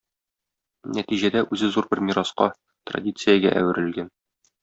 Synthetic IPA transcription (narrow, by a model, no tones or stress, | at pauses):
næt̪iʑæd̪æʔʉzɘzuɾbɘɾmʲiɾɑsqɑ | t̪rɐ̰dʲit̪sɨjəɡæ̰ʔæ̰wɘ̆ɾɘ̆lɡæn